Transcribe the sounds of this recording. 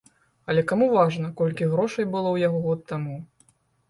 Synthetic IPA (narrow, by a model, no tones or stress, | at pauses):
ɐlʲɛkamuvaʐn̪ɐkɔlʲkʲiɣɾɔʂɐjbɨlˠɔwjaɣɔɣɔt̪ːamu